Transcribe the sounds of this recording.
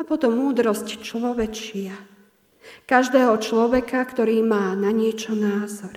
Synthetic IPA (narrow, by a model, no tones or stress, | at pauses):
apɔt̪ɔmːuːd̪ɾɔsct͡ʃlɔʋɛt͡ʃɪa | kaʒd̪ɛːɦɔt͡ʃlɔʋɛkakt̪ɔɾiːmaːnaɲɪɛt͡ʃɔnaːzɔɾ